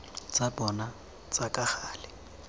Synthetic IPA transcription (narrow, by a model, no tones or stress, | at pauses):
t͡sʼabɔna | t͡sʼakʼaχaːlɪ